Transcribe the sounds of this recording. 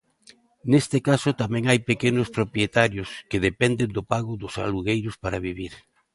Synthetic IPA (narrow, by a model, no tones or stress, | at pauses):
nest̪ekasʊt̪amɛ̃ŋajpekenʊspɾopɾjet̪aɾjʊskeðepɛnd̪end̪ʊpaɣʊðʊsa̰luɣejɾʊspaɾaβiβiɾ